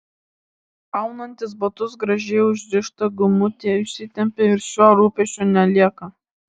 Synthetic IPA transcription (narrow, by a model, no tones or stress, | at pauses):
ɑʊnɐnʲt̪ʲɪsbɐt̪ʊsɡɾɐʒʲɛɪʊʒʲd̪ʲɪʃt̪ɐɡʊmʊt̪ʲeːʊʃʲsʲɪt̪ʲɛmʲpʲeɪɾʃʲuɔɾuːpʲɛʃʲt͡ʃʲonʲɛlʲiɛkɐ